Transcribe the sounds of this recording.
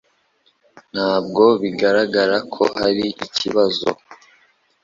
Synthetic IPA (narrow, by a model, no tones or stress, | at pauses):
n̥haːb̚ɡo̞βiɡaɾaɡaɾakʰo̞̰haɾiʔiciβazo̰